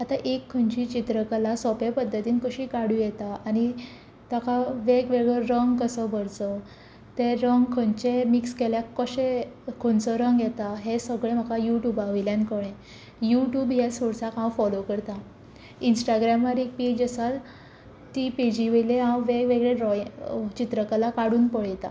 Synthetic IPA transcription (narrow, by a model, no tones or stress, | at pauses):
at̪aʔekʰːənt͡ɕiːt͡ɕit̪ɾəkalasɔpepəd̪ːət̪iːnkəɕikaɽũjɛt̪aani | t̪akʰaʋeɡʋeɡɭeɾɾəŋɡkəsəbʱəɾt͡sə | t̪eɾəŋɡkʰənt͡ɕemikskeljakːəɕekʰont͡sɔɾəŋɡjɛt̪aɦesəɡɭem̤akajuʈjuːbaʋiljankəɽ̃ẽ | juʈjuːbjasoɽsakãwfɔlokəɾt̪a | insʈaɡɾamːaɾek̚pid͡ʑəsat̪ | t̪ipid͡ʑiʋəjleɦãwʋeɡʋeɡɭeɾɔt͡ɕit̪ɾəkalakaɽuːnpəɭjt̪a